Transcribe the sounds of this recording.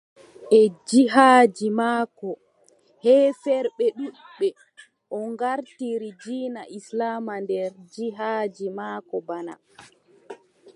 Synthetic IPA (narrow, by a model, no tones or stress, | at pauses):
ʔɛd͡ʒiɦaːd͡ʒimaːkɔ | hɛːfɛɾɓɛɗuɓːɛ | ʔɔŋɡaɾtiɾid͡ʒiːnaʔislaːmandɛɾd͡ʒiɦaːd͡ʒimaːkɔbana̰